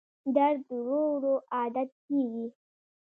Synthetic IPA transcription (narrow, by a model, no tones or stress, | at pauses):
d̪aɾd̪əɾowɾoʔɑd̪at̪̚keɡi